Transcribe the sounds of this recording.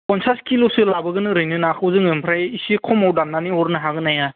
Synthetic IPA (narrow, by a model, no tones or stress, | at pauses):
kɔnsaskʰilosɯlabɯɡɯnɯɾɯjnɯnakʰɯwzɯŋɯmpʰɾajisikʰɔmawdamnaniɔɾnɯɦaɡɯnaja